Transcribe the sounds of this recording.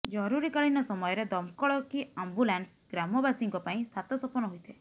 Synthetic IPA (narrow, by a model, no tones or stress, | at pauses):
d͡ʒɔɾuɾikaɭinɔsɔmɔjɔɾed̪ɔmkɔɭɔkiambulans | ɡɾamɔbasiŋkɔpaĩsat̪ɔsɔpɔnɔɦujt̪ʰe